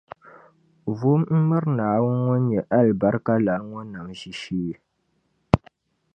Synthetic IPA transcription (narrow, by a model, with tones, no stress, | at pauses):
vu˦mm̩˦mɨ˦ɾnaː˨wʊ˦nŋɔ˦n˦ɲɛ˨ʔa˦lba˦ɾka˦la˨˦ŋo˦na˨mʒi˦ʃiː˦˨